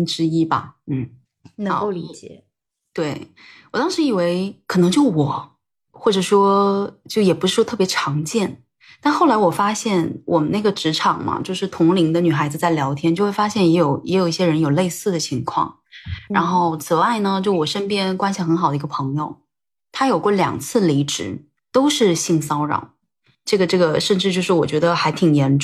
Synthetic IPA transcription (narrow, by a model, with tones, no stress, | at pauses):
ʈ͡ʂɻ̩˥i˥bɐ̰˨n̩˥˩˧ | o˧li˧˥t͡ɕɛ̰˨˩˦ | t̪we˥˩ɪ | wɔ˨˩t̪ɑ˥ŋʂɻ̩˧˥i˨˩we˧˥ɪkʰɤ˨˩nɤ˧˥ŋt͡ɕjo˥˩ʊwɔ˨˩˦ | xwɔ˥˩ʈ͡ʂɤ˨˩ʂwɔ˥t͡ɕjo˥˩ʊjɛ˨˩pu˧˥ʂɻ̩˥˩ʂwɔ˥t̪ʰɤ˥˩pjɛ˧˥ʈ͡ʂʰɑ˧˥ŋt͡ɕjɛ˥˩n | t̪a˥˧nxo˥˩ʊla˧˥ɪwɔ˨˩fa˥ɕjɛ˥˩nwʔɔ˨˩mə˦ne˥˩ɡə˩ʈ͡ʂɻ̩˧˥ʈ͡ʂʰɑ˨˩ŋmɐ̰˩t͡ɕjo˥˧ʊʂɻ̩˥˩t̪ʰʊ˧˥ŋli˧˥ŋd̪ə˧ny˨˩xa˧˥ɪd͡zɹ̩˧t͡sa˥˩ɪljɑ˧˥ʊt̪ʰjɛ˥nt͡ɕjo˥˧ʊxwe˥˩ɪfa˥ɕjɛ˥˩njɛ˧˥jo˨˩ʊjɛ˧˥jo˨˩ʊi˥˩ɕjɛ˥ɻə˧˥njo˨˩ʊle˥˧ɪsɹ̩˥˩d̪ə˩t͡ɕʰi˧˥ŋkʰwɑ̰˥˩ŋ | ɻɻa˧˥nxo˥˩ʊt͡sʰɹ̩˨˩wa˥˩ɪnə˩t͡ɕjo˥˧˩wɔ˨˩ʂə˥npjɛ˥nkwa˥nɕi˨˩xə˧˥nxɑ˨˩d̪ə˧i˧˥ɡə˧pʰɤ˧˥ŋjo̰˧ʊ | t̪ʰa˥jo˨˩ʊkwɔ˥˩ljɑ̰˨˩ŋt͡sʰɹ̩˥˩li˧˥ʈ͡ʂɻ̩˧˥˦ | t̪o˥ʊʂɻ̩˥˧ɕi˥˩ŋsɑ˥ʊɻɑ̰˨˩˦ʊ | ʈ͡ʂɤ˥˩ɡə˩ʈ͡ʂɤ˥˩ɡə˩ʂə˥˧nʈ͡ʂɻ̩˥˧t͡ɕjo˥˧ʊʂ̬ɻ̩˥˩wɔ̰˨˩t͡ɕɥɛ˧˥d̪ə˧xa˧˥ɪt̪ʰi˨˩ŋjɛ˧˥nʈ͡ʂ